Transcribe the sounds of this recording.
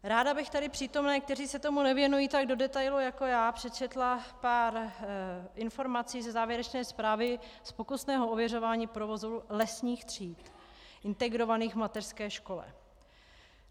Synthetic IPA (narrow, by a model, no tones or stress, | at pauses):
ɾaːdabɪxt̪adɪpr̝̥iːt̪o̞mnɛːk̚t̪ɛriːsɛt̪o̞munɛvjɛnujiːt̪aɡ̚do̞dɛt̪ajlujako̞jaːpr̝̥ɛt͡ʃɛt̪lapaːɾ | ʔɪnfo̞ɾmat͡siːzɛzaːvjɛɾɛt͡ʃnɛːspɾaːvɪspo̞kusnɛːɦoovjɛro̞vaːɲiːpɾovo̞zulɛsɲiːxt̪r̝̥iːt̪ | ʔɪnt̪ɛɡɾo̞vaniːɣvmat̪ɛr̥skɛːʃko̞lɛ̰